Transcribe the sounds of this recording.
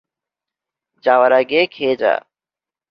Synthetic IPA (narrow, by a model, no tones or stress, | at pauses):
d͡ʒaːʋəɾaːɡeːkʰeːd͡ʒa̰ː